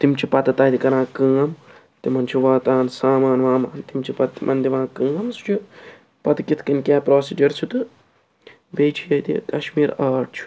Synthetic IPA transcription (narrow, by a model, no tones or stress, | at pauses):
t̪imt͡ʃʰipɐt̪ɨt̪ɐːt̪ikɐɾãːkəːm | t̪imɐnt͡ʃʰiʋaːt̪aːnsaːmaːnʋaːmaːnt̪imt͡ʃʰipɐt̪mʔɐnd̪iʋãːkəːɐmsu̥t͡ʃʰu | pɐt̪ɨkit̪ʰkɐnʲkʲaːpɾoːsiːd͡ʒɐɾsʰut̪ɨ | ʋeːt͡ʃʰijɐt̪ḭkɐʃmiːɾaːʈ̚t͡ʃʰu̥